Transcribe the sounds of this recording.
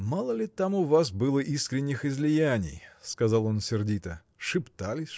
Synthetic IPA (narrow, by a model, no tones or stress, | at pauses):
malˠəlʲɪt̪amʊvas̬bɨlˠəʔiskɾʲɪnʲːɪxɪzlʲɪjænʲɪ̰jskɐzɑlˠo̞nsʲɪrdʲit̪ə | ʂɨpt̪alʲɪsʲ